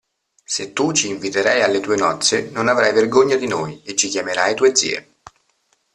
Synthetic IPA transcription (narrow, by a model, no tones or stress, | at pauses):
set̪ːut͡ʃiːɱvit̪eɾajalːet̪uːenɔt̪sːenonavɾajverɡoɲːad̪inoːjet͡ʃːikjameɾajt̪uːed̪zḭːḛ